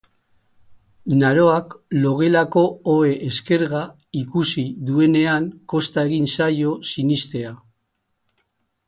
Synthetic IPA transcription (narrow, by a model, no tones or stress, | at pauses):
naɾo̞aklo̞ɣ̞e̞lako̞oe̞ʔeske̞ɾɣa | ikusiðue̞ne̞aŋko̞st̪ae̞ɣ̞insajo̞sinist̪e̞a